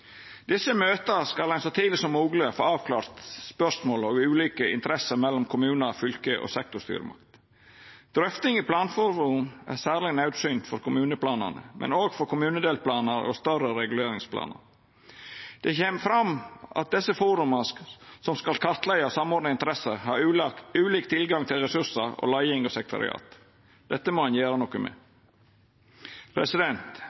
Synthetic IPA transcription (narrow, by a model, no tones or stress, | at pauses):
d̪ɪsəmøːt̪əskɑldɛnsɔt̪ʰiːlɪsɔmːuːɡlɪəfo̰ːɑːʋkʰlɑːɾt̪spœʂmoːlɔʋʉːliːkəɪ̰nt̪əɾɛsːəɾmɛlːɔmkʰʊmʉːnəɾfʏlkəʔɔ̰sɛk̚t̪ʊʂst̪y̰ːɾə̰mʔɑ̰kt̪ | d̪̥ɾʏft̪ɪŋɪpʰlɑːnfɔɾʊnæ̰sæːɾlɪnɑʉd̪sʏːnt̪fɔɾkʰʊmʉːnəpʰlɑːnə̰nə̰mʔɛ̰noːɡfɔɾkʊmʉːnəd̪eːlpʰlɑːnəɾɔ̰st̪œrəɾɛɡʉleːɾɪŋspʰlɑ̰ːnə̰ɾ | d̪̥ɛçeːməfɾɑmʔɑ̰t̪̚d̪ɛsəfuːɾʉməsɔmskɑlkʰɑɾt̪læɪɑsɑmɔːd̪nəɪnt̪əɾɛsəɾɦɑɾʉːlɑʉːliːk̚t̪ʰɪlɡɑŋt̪ʰɪlɾɛsʉsəɾɔ̰lɑɪɪŋɔsɛk̚t̪ʊ̰ɾɪ̰ɑ̰ːt̪ | d̪̥ɛt̪ːəmɔhɑnjeːɾənɔkːəmɛ̰ | pʰɾɛsɪd̪ɛnt̪